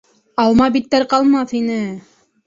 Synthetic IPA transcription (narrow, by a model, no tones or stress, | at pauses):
ɑlˠmɑbit̪ːæɾqɑlˠmɑθinɘ